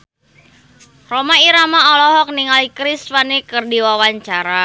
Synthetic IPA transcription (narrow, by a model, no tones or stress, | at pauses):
romaiɾamaɔlɔɦɔk̚niŋalikɾisfanikɨrdiwawaɲt͡ʃaɾa